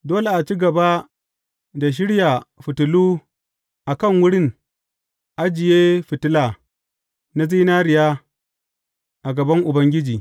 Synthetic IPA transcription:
doː˦le˨ʔa˨t͡ʃi˦ɡɐ˨ba˦ | da˨ʃ̬ɪ˦ɽja˨ɸɪ˨tʊ˨luː˦ | ʔa˨kɐ˦˨ŋwʊ˦ɽɪ˦ŋ | ʔa˦d͡ʒɪ˨jeː˦ɸɪ˨tʊ˦la˨ | na˦zi˦na˦ɾɪ˨ja˦ | ʔa˨ɡɐ˨bɐ˦ŋʔʊ˨bɐ˦ŋɡʲɪ˦d͡ʒiː˨

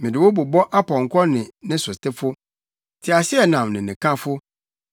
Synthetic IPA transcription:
mɪ̃˨dɪ˨wo˦bu˨bɔ˦ʔa˦pʰɔ̃˨ŋ̩˨kʰɔ˦nɪ̃˨nɪ̃˦sʊ˨stɪ˦fʊ˦ | tʰɪ˨a˨ɕɪ˦ɛ˨nã˨mnɪ̃˨nɪ̃˨kʰã˦fʊ˦

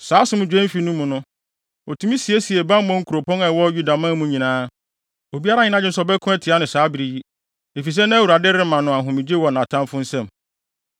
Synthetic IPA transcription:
saː˨˦sʊ˦mʊ̃˦d͡ʑᶣɛ̃˦fi˨nũ˦mũ˨nʊ̃˦ | ɔ˨tʰũ˦mĩ˦si˨e˦si˨e˨bã˦m˦bɔ̃˦ŋ̩˦kʰu˨ɾo˨pɔ̃˦ɛ˨wɔ˦ju˦da˨mã˦mũ˦ɲĩ˨nãː˦ | o˨bi˦a˦ɾa˦ɲɪ̃˦nã˦d͡ʑɪ˦n̩˨s̬ɔ˨bɛ˦kʰʊ̃˦ɛ˦tʰi˨a˦nɪ̃˨saː˨˦bi˨ɾi˨ji˦ | e˨fi˨s̬ɛ˦nã˦wu˨ɾa˨dɪ˦ɾɪ˦mã˨nʊ̃˨ã˨ɦʊ̃˨mĩ˨d͡ʑe˦wɔ˨nã˨tʰã˦mfʊ̃˦n̩˦sɛ̃˦˨m

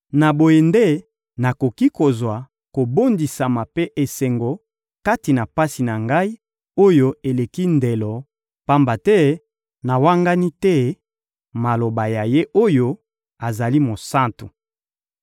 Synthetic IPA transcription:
na˨bo˨je˨nde˦ | na˨ko˨ki˦ko˨zwa˨ | ko˨bo˦ndi˨sa˨ma˨pe˦ʔe˨se˨ŋɡo˨ | ka˦ti˨na˨pa˦si˨na˨ŋɡa˦i˦ | o˦jo˦e˨le˨ki˦nde˨lɔ˨ | pa˦mba˨tɛ˦ | na˨wa˦ŋɡa˦ni˦tɛ˦ | ma˨lo˨ba˨ja˨je˦ʔo˦jo˦ | a˨za˨li˦mo˨sa˦ntu˨

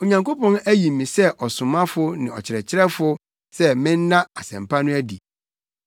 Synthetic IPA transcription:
o˨ɲã˨ŋko˦pɔ̃˦næ˦ji˨mĩ˨sɛ˦ʔɔ˨sʊ̃˨mã˦fʊ˦nɪ̃˨ɔ̰˨t͡ɕʰɪ˨ɾɛ˨t͡ɕʰɪ˦ɾɛ˦fʊ˦ | sɛ˦mɪ̃˦n̩˦nã˦a˨sɛ̃˨mpʰa˦nʊ̃˦æ˦di˨

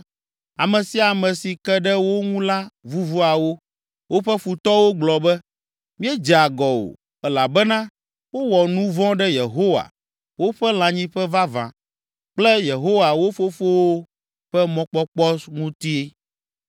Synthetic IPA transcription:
a˨mɛ̃˨si˦a˨mɛ̃˨si˨kɛ˦ɖɛ˦wo˦ŋũ˦la˦vu˦vu˦a˨wo˦ | wo˦ɸɛ˦fu˨t̪ɔ˦wo˦ɡ͡blɔ˨bɛ˦ | mĩ˦ɛ˦d͡ʒɛ˨a˨ɡɔ˨wo̰˨ | ɛ˦la˨bɛ˦nã˦ | wo˦wɔ˨nũ˦vɔ̃˦ɖɛ˦je˨ɦo˦wa̰˨ | wo˦ɸɛ˦l̃ã˨ɲĩ˦ɸɛ˦va˦vã̰˨ | k͡plɛ˦je˨ɦo˦wa˨wo˦fo˦fo˦wo˦ | ɸɛ˦mɔ̃˦k͡pɔ˦k͡pɔ˦sŋũ˦t̪i˦i˦

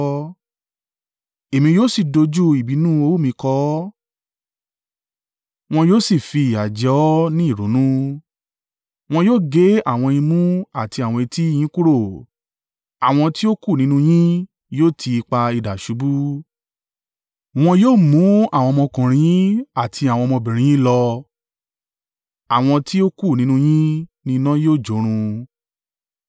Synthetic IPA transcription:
e˨mĩ˧joː˦si˦˨do˧d͡ʒu˦i˨bi˨˦nũ˦o˦mĩ˧kɔ˧˦ | w̃ɔ̃˧joː˦si˦˨fi˧i˨a˨d͡ʒɛ˧˦ɔ˦nĩ˦i˦˨ɾo˨˦nũ˦ | w̃ɔ̃˧joː˦˨ɡe˨˦a˦˨w̃ɔ̃˧e˧jĩ˧mũ˦a˦˨ti˧a˨w̃ɔ̃˧i˧ti˦j̃ĩ˨˦ku˦ɾo˦˨ | a˨w̃ɔ̃˧ti˦o˦ku˦˨nĩ˨˦nũ˦j̃ĩ˦ | joː˦˨tʰi˧k͡pa˧i˧˨da˨ʃu˨˦bu˦ | w̃ɔ̃˧joː˦˨mũ˨˦a˦˨w̃ɔ̃˧mɔ̃˧kã˨ɾ̃ĩ˧˦ĩ˦a˦˨tʰi˧a˨w̃ɔ̃˧mɔ̃˧bĩ˨ɾ̃ĩ˧˦ĩ˦lɔ˧ | a˨w̃ɔ̃˧ti˦o˦ku˦˨nĩ˦nũ˦˧j̃ĩ˦nĩ˧nã˦joː˦˨d͡ʒo˨˦ɾ̃ũ˧

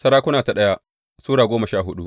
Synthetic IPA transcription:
sɐ˦ɽaː˦kʷʊ˦naː˨ta˨ɗɐ˦ja˦ | suː˦ɽaː˨ɡʷoː˦mɐ˨ʃaː˦˨ɦʊ˦ɗṵ˦ʔ

